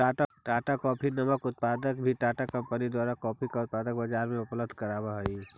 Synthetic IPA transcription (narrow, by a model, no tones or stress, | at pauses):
aːʈaʈaːʈakɔːpʰinɐməkʊt̪̚paːd̪ək̚bʱiʈaːʈakɐ̃mpənid̪waːɾakɔːpʰikaʊt̪̚paːd̪ək̚bɐd͡ʒaːɾmẽʊpləb̚d̪ʱkəɾaːbaɦɛi